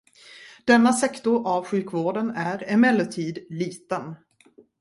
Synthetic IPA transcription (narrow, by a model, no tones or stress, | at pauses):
d̪̥ɛnːasɛkt̪ʊɾʔavɧʉ̟ːkvoːɖənæɾɛmɛlːət̪ʰiːd̪liːt̪ən